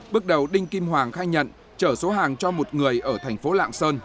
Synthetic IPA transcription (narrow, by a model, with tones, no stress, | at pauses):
ɓɨ˦˥ək̚ɗə˨˩wɗï˧ŋ̟ki˧mhwaː˨˩ŋxaː˧jɲə̰˧˨n | t͡ɕəː˧˩so˨˦ɦaː˨˩ŋt͡ɕɔ˧mo˨˩t̚ŋɨ˨˩əjʔəː˧˩t̪ʰɛ˨˩jŋ̟fo˨˦la̰ː˧˨ŋsəː˧n